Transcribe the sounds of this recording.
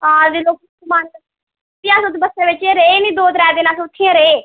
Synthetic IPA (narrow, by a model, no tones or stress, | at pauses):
ãːd̪eːloːk̚kmaːn | tɪãːsʊt̪bəseːʋɪt͡ʃeɾeeːnĩːd̪oːd̪ɾɛːd̪eːnaːsot̪ʰːiẽːɾeeː